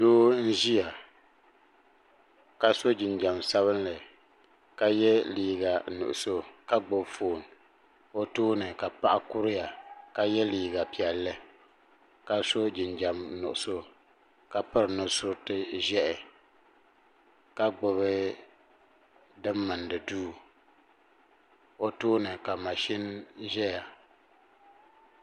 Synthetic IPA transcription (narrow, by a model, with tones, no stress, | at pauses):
doː˦n̩˦ʒi˦ja˨ | ka˦so˦d͡ʒɪ˨nd͡ʒa˨msa˦βɨ˦nlɨ˨ | ka˦jɛ˦liː˨ɡa˨nʊ̰˨ʔʊ˨so˦ka˦ɡ͡bʊ˦bfo˨n | o˦toː˦nɨ˨ka˨pa˦ʔa˦kʊ˦ɾɪ˦ja˨ka˦jɛ˦liː˨ɡa˨pi˨ɛ˨lːɨ˦ | ka˦so˦d͡ʒɪ˨nd͡ʒa˨mnʊ̰˨ʔʊ˨so˦ | ka˨pɨ˦ɾnɨ˨sʊ˦ɾtɨ˦ʒɛ˦ʔɛ˨ | ka˦ɡ͡bʊ˨βɨ˦ | dɨ˦mːɨ˨ndɨ˨duː˦ | o˦toː˦nɨ˨ka˨ma˨ʃi˦nʒɛ˦ja˨